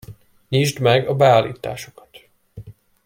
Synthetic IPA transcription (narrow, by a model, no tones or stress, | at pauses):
ɲiːʒd̪mɛɡɒbɛaːlːḭːt̪a̰ːʃo̥kɒ̥t̪